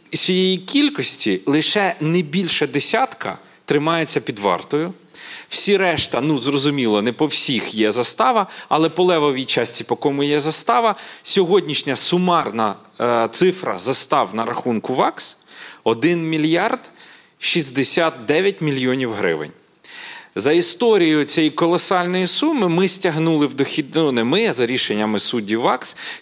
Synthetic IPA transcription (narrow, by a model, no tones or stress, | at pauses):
sʲʋijejikʲilʲkɔsʲtʲilˠɪʃɛnɛbʲilʲʃɐd̪esʲat̪kʰɐ̰ | t̪ɾɪmɑjet͡sʲːɐpʲid̪ʋɑ̰rt̪ɔjʊ | w̥sʲiɾɛʃt̪ɐnuzrɔzʊmʲilˠɔnɛpɔwsʲixjɛzɐst̪ɑʋɐɐlˠɛpɔlˠɛʋɔʋʲit͡ʃɑsʲtʲipɔkɔmʊjɛzɐst̪ɑʋɐsʲɔɦɔdʲnʲiʃnʲɐsʊmɑrnɐ | t̪sɪfɾɐ̰zɐst̪ɑwnɐɾɐxunkʊʋɑksɔd̪ɪnmʲilʲjɑrd̪ | ʃizʲd̪esʲat̪̚d̪ɛʋʲjɐtʲmʲilʲjɔnʲiwɦɾɪ̰ʋɪ̰nʲ | zɐist̪ɔɾʲijʊt͡sʲɛjikɔlˠɔsɑlʲnɔjisumɪmɪsʲtʲɐɦnulˠɪwd̪ɔxʲid̪nʊnɛmɪzɐɾʲiʃenʲːɐmɪsudʲːiwːɑks